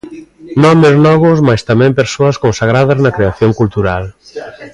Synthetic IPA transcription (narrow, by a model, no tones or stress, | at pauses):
nɔmeznɔɣʊsmajst̪amɛ̃mpeɾsoɐskonsaɣ̞ɾað̞ɐznɐkɾeaθjoŋkult̪uɾal